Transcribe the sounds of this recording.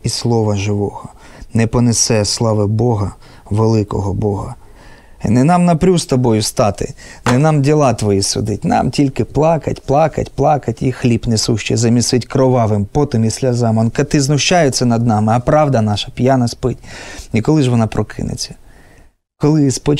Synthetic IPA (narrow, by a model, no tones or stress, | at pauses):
islˠɔʋɐʒɪʋɔhɔ | nɛpɔnesɛslˠɑʋɪbɔɦɐ | ʋelˠɪkɔɦɔbɔɦɐ | nɛnɑmnɐpɾʲust̪ɔbɔjʊst̪ɑt̪ɪ̰nɛnɑmdʲilˠɑt̪ʋɔjisʊ̰d̪ɪtʲnɑ̰mtʲilʲkɪplˠɑkɐ̰tʲplˠɑkɐ̰tʲplˠɑkɐtʲixlʲipnɛsuʃt͡ʃɛ̰zɐmʲisɪtʲkɾɔʋɑʋɪmpɔt̪ɪmisʲlʲɐzɑmɔnkɐt̪ɪznʊʃt͡ʃajet͡sʲːɐnɐd̪̚nɑmɪɐpɾɑʋd̪ɐnɑʃɐpʲjanɐspɪt̪ʲikɔlˠɪʒʋɔnɑpɾʔɔkʰɪ̰nḛt͡sʲːɐ̥ | kɔlˠɪspɔ